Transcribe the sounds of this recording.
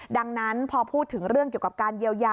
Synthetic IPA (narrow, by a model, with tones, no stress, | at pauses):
da˧ŋna˦˥npʰɔː˧pʰuː˥˩t̪ʰːɯ˩˦ŋɾɯ˥˩ŋki˨˩ka˨˩p̚kaː˧nji˧əwjaː˧